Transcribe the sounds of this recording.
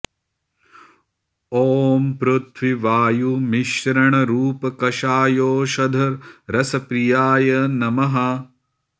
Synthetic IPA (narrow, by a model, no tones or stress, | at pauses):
oːmpɾut̪ʰʋiʋaːjumiʃɐɾɐɳɐɾuːpɐkɐʃaːjoːʃɐd̪ʱɐɾɾɐsɐpɾijaːjɐnɐmɐɦɐ